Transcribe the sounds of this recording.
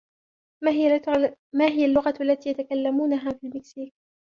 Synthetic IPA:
maːɦɪjalːʊɣaalːat̪iːjat̪akalːamuːnaɦaːfiːlmɪksiːk̚

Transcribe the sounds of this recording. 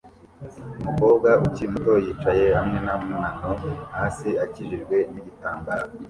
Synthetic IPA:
umuko̞ːbɡauciimuto̞jiːt͡ʃaje̞hamŋe̞namunanohasiaciʒiʒɡwe̞niɟitaːmbaɾo

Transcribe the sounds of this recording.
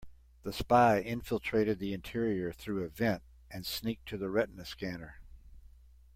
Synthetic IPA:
ðɨspaɪɪ̃ɱfɪl̩ˠtʰɹ̥eɪɾɨd̪̚ðiɨ̃ntʰɪɹiə˞θɹʉɨvɛ̃nt | ɨ̃nsnik̚tʰɨðəɹɛʔn̩ɨskænə˞

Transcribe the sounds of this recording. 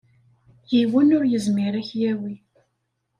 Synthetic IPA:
jiwənʊɾjəzmiɾæçjæwi

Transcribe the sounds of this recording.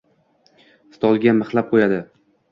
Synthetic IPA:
st̪ʰɒlˠɡʲamɨχlˠap̚qʰojad̪ɪ

